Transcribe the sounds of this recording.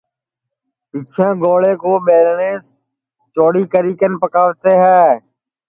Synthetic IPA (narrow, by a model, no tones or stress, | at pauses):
sɪt͡ʃʰjãːɡoːleːkoːɓeːlneːs | t͡ʃoːɽiːkəɾiːkənpəkaːʋt̪eːɦɛː